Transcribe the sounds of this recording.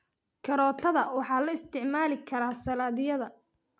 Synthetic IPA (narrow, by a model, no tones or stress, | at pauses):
kʰɐɾɔːt̪ʰɐðɐwɑħɑːlɐɪst̪ʰɪʕmaːlɪkʰɐɾaːsɐlaːðɪjɐðɐ